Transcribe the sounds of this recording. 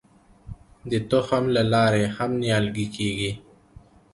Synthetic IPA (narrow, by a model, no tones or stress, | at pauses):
d̪ət̪oxamlalɑːɾehamnjɑːlɡikeɡi